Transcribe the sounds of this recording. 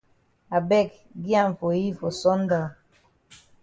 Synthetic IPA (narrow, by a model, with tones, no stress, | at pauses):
a˨bɛ˦˨k̚ | ɡi˦a˦˨ɱ̩˨fo˨ji˦fo˨sɔ˦n̩˦da˨